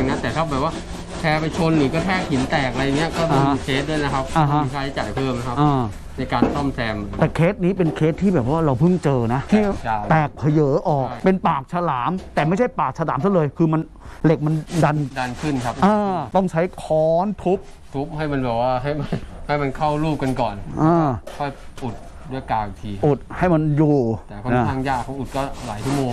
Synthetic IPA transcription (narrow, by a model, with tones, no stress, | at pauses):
na˦˥t̪ɛː˨˩t̪ʰaː˦˥˩bɛː˨˩p̚waː˥˩ | t̪ʰɛː˧pa˧jt͡ɕʰo˧nɾɯː˨˩˦kɔː˧˥˩t̪ʰɛː˥˩khi˩˦nt̪ɛː˨˩k̚a˧ɾa˧jːŋːi˦˥ɐkɔː˥˩ma˧˩mː˦˧kʰe˦˥t̪̚du˥˩jna˦kʰa˦˥p̚a˦˧˦ɦa˦˥i˧k̪ʰaː˦˥˩ha˥˩t͡ɕaː˨˩jpʰɤː˥˩mna˦˥kʰa˦˥ʔɤː˧ | na˧jkaː˧nsɔ˥˩msɛː˧mt̪ɛː˨˩kʰeː˦˥t̪̚niː˦˥pe˧nkʰeː˦˥t̪ʰːiː˥˩bɛː˨˩p̚waː˥˩ɾa˧wpʰɯ˥˩ŋt͡ɕɤː˧na˦˥ʔt̪ʰiː˥˩a˧t̪ɛː˨˩k̚pʰa˧jɤː˩˦ʔɔː˨˩k̚pe˧npaː˨˩k̚sʰa˧laː˩˦mt̪ɛː˨˩ma˥˩jt͡ɕʰa˥˩jpaː˨˩k̚sʰa˧la̰ː˩˦msa˥˩lɤː˧jkʰɯː˧ma˧n | le˨˩k̚ma˧nda˧nda˧nkʰɯ˥˩nkʰa˦˥ʔaː˧t̪ɔ˥˩ŋt͡ɕʰa˦˥jkʰɔː˦˥nt̪ʰu˦˥p̚ | t̪ʰu˦˥p̚ha˥˩jma˧nbɛː˨˩k̚waː˥˩ɦa˥˩jma˧ha˥˩jma˧nkʰa˥˩wɾuː˥˩p̚ka˧nkɔː˨˩nʔaː˧˩˥kʰɔ˥˩jʔu˨˩t̪̚ | du˥˩əjkaː˧wi˨˩t̪ʰiː˧ʔu˨˩t̪̚ha˥˩jma˧njuː˨˧˩ɛː˨˩kʰɔ˥˧˩nʰ˧˩aː˥˩ŋjaː˥˩kʰːɔ˨˦ʔu˨˩t̪̚kɔː˥˩la̰ː˩˦jtʰu˦˥˩moː˧ŋ